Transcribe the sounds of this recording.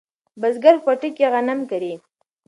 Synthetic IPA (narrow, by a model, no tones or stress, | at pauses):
bazɡaɾxaʈikeɣanamkaɾi